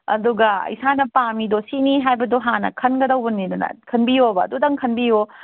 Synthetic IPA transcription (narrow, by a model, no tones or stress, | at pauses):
ɐ̰duɡɐḭsanɐpamidosiniɦajbɐdoɦanɐ̰kʰɐnɡɐdɐwbɐnːidɐnɐ̰kʰɐnbijobɐːdudɐŋkʰɐnbijo